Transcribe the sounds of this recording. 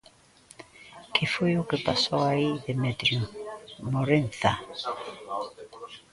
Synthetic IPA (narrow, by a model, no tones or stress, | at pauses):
kʰɪfojʊkɪpasowaiðɪmet̪ɾjumoɾẽnθa